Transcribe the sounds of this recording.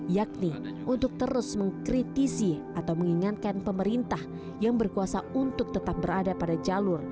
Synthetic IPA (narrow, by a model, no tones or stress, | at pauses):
jak̚ni | ʔunt̪ʊk̚t̪əɾʊsməŋkɾit̪isiʔat̪awməŋiŋan̚kanpəməɾint̪ah | jaŋbərkuasaunt̪ʊk̚t̪ət̪ap̚bəɾadapadad͡ʒalʊr